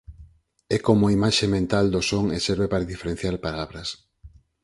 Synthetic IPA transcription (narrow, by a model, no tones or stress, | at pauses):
ɛkomoaimaʃemẽnt̪ald̪osoŋeseɾβepaɾaðifeɾẽn̟θjaɾpalaβɾɐs